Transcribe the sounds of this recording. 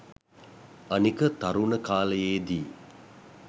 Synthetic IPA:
anikət̪aɾunəkaːləjeːd̪iː

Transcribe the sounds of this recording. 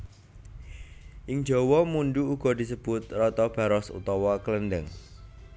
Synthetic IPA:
ʔɪŋ̥d͡ʒɔwɔmunɖuuɡ̥ɔ̤d̥i̤səb̥ʊt̪̚rɔt̪ɔb̥ä̤ɾɔsṵt̪ɔwɔkələndəŋ

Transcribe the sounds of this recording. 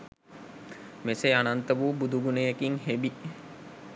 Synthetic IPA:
meseanant̪əʋubud̪uɡunejekiŋɦebi

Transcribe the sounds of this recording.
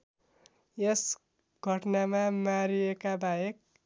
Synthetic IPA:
jes | ɡ̥ʱʌʈnamamaɾiekabajek̚

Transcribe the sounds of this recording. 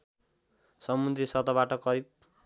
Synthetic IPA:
sʌmud̪ɾisʌt̪ʌβaʈʌkʌɾip̚

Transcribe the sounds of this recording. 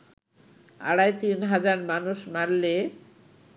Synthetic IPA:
a̰ɽajt̪inɦad͡ʑaɾmanuʃmaɾle

